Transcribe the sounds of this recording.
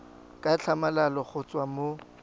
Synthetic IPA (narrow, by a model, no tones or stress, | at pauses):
kʼat͡ɬʰamalalɔχʊt͡sʼwamo